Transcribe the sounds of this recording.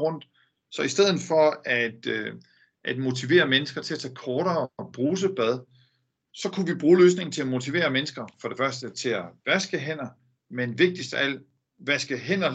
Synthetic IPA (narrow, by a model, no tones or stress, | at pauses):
ʁɔ̽n̰d̥ | sɒ̽isd̥eð̞̰ˠn̩fɒ̽æd̥ | ʔæd̥mo̝t͡sʰiʋe̝̰ːɐmenəsɡ̥ɐt͡sʰe̝læt͡sʰɛ̰ːkʰɒːɾɐːb̥ʁuːs̬əb̥æð̞ˠ | sɒ̽kʰuʋib̥ʁuːløːs̬ne̝ŋn̩t͡sʰe̝læmo̝t͡sʰiʋe̝̰ːɐmensɡ̥ɐfɒ̽ɾ̥e̝fɶɐsd̥ət͡sʰe̝læʋæsɡ̥əɦen̰ɐ | menʋe̝ɡ̥̚d̥isd̥æl̰ | ʋæsɡ̥əɦen̰ɒ